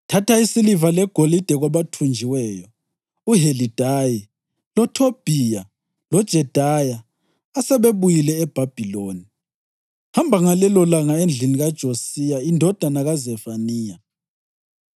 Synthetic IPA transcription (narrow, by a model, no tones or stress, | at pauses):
tʰatʰaisilivalɛɡ̥ʱolid̥ʱɛɣaβatʰund͡ʒʱiwɛjɔ | uɦelid̥ʱaji | lɔtʰob̥ʱija | lɔd̥ʒ̥ʱɛd̥ʱajaː | sɛβeβujilɛːb̥ʱab̥ʱiloːni | hambʱaŋalɛlɔlaŋaend͡ɮʱiniɣad̥ʒ̥ʱosijaindʱɔd̥ʱanaɣazɛfaniːja